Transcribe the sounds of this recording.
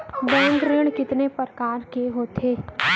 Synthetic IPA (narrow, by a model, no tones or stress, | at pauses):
bɛːə̃ŋɡɾɪɽ̃kɪt̪nepəɾkaːɾkeɦoːt̪ʰeː